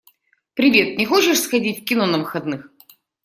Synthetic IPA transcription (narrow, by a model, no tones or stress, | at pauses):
pɾʲɪvʲe̞t̪̚nʲɪxot͡ɕɪʂsxɐdʲitʲfkʲɪnonɐvɨxɐd̪nɨx